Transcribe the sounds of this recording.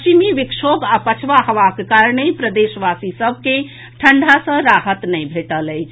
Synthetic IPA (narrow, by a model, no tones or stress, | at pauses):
t͡ʃimiʋikʃʰobapət͡ʃʰʋaɦəʋakekaɾnepɾəd̪esʋasisəb̚ʱke | ʈʰəɳɖʱasə̃ɾaɦət̪nəjbʱeʈələjt͡ʃʰ